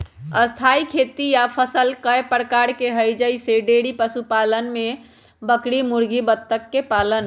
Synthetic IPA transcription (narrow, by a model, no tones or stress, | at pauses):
əst̪ʰaikʰet̪ijapʰəsəlkəjpəɾkaɾkeɦəjd͡ʒəjseɖeɽipəsupalənme | bəkɽimuɾɡibət̪ːəkːepalən